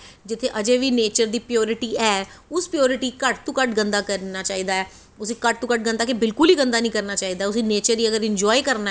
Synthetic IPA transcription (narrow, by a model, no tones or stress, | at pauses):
d͡ʒɪt̪ʰːeːʔəd͡ʒeːʋiːneːt͡ʃəɾd̪iːpɪjɔːɾɪʈiːɛːʊspɪjoːɾɪʈiːkəʈt̪ũːkəʈɡənd̪aːkəɾnaːt͡ʃaːiːd̪aːɛː | ʊsiːkəʈ̚t̪ũːkəʈ̚ɡə̃nd̪aːkebɪlkʊliːɡə̃nd̪aːnĩːkəɾnaːt͡ʃaːiːd̪aːɛʊsiːneːt͡ʃəɾiːəɡəɾɪ̃ɲd͡ʒɔːikəɾna